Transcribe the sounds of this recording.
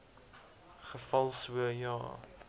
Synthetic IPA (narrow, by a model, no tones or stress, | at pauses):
χəfɐlˠsuəjɑ̰ː